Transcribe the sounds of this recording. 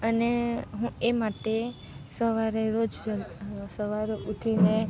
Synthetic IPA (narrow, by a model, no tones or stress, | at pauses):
əneɦũemaʈe | səʋaɾeɾod͡ʒɾəsəʋaɾoʔuʈʰine